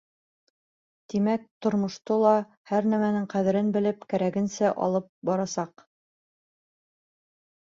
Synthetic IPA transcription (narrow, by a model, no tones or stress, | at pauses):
t̪imæk̚t̪ŏɾmŏʃt̪ɤlˠɑ | hæɾnæmænɘŋqæðɘ̆ɾɘnbɘ̆lɘpkæɾæɡɘ̆nsæʔɑ̰lˠɤp̚bɒɾɑsɑq